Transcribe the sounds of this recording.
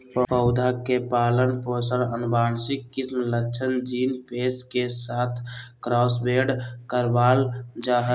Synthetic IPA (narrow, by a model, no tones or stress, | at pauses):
pəpəʊd̪ʱakepaːlənposəɾənbaːnsikːismləːʃʰənd͡ʒinpeskesaːt̪ʰkɾɔsbeɖkəɾbald͡ʒaɦə